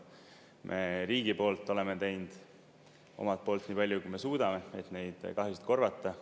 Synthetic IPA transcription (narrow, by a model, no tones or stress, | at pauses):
mʔe̞ɾiːɡ̥ipo̞ːlt̪ːˑo̞le̞me̞t̪e̞jnd̪̥ | o̞̰mɑt̪̚poːlt̪ːˑniːpɑlʲjukujme̞suːd̪̥ɑme̞e̞t̪ne̞jd̪̥kɑɦjusi̥t̪̚ko̞rvɑt̪ːˑɑ